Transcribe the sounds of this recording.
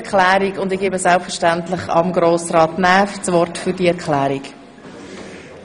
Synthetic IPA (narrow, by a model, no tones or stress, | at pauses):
kʰlæːɾikʊndɪɡeːbəsɛlpfɛɾʃtæntlɪχɑ̰mɡɾoːsɾɑːtnɛːft͡sʋɔrtfʏɾdiɛɾkχlæːɾik